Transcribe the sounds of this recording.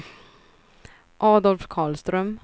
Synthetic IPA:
ʔɑːd̪ɔlfkʰɑːlst̪ɾœm

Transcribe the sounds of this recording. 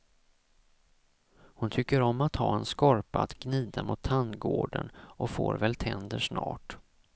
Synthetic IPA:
hʊnt̪ʰʏkːəɾɔmːat̪hɑːɛnskɔɾpaat̪ɡ̥niːd̪amʊt̪ʰːanɡoːɖə̰nʔɔfoːɾvɛlt̪ʰɛnd̪əʂnɑːʈ

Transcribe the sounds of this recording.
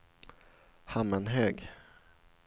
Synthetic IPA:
hamənɦøːɡ

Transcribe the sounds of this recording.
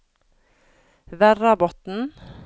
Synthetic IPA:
ʋæɾɑbɔt̪n̩

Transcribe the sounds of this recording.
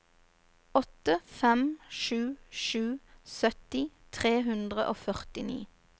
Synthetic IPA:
ɔt̪əfɛmʃʉːʃʉːsœt̪ɪ | t̪ʰʁeːɦʉnd̪ʁəʔoːfœʁt̪ɪnḭː

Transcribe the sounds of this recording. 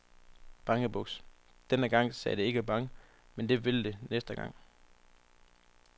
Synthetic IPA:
b̥ɑ̈ŋəb̥ɔ̽ɡ̥s | d̥enəɡ̥ɑ̈ŋ̰sɛ̰ːd̥ee̝ɡ̥əb̥ɑ̈ŋə | mend̥e̝ʋe̝ld̥e̝nesd̥əɡ̥ɑ̈ŋ̰

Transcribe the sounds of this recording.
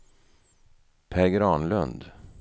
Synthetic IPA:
pʰæɾɡɾɑːnlɵ̰nd̪

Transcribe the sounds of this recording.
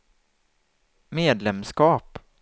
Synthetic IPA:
meːd̪lɛmskɑːp

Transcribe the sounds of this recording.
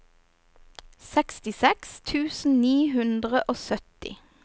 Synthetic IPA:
sɛkst̪ɪsɛkst̪ʰʉːsn̩niːɦʉnd̪ʁəʔoːsœt̪ɪ̰

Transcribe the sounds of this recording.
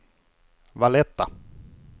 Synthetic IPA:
valɛt̪ːa

